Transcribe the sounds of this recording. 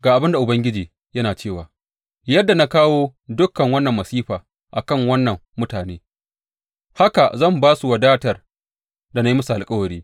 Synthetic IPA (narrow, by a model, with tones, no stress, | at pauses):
ɡaː˨ʔa˨bɪ˦nda˨ʔʊ˨bɐ˦ŋɡʲɪ˦d͡ʒiː˨ | jɐ˦naː˨t͡ʃeː˦˨waː˨ | jɐ˦dːa˨na˦kaː˦woː˦dʊ˦kːɐ˨ŋwɐ˦nːɐ˨mːɐ˨siː˦ɸaː˨ | ʔa̰˨kɐ˦˨ŋwɐ˦nːɐ˨mːʊ˦taː˨neː˦ | ha˦ka˨zɐ˦˨mbaː˦su˨wɐ˨daː˦tɐ˨r | da˨na˦ji˦mɐ˦su˨ʔa˨lkʼɐ˦wɐ˨ɾiː˦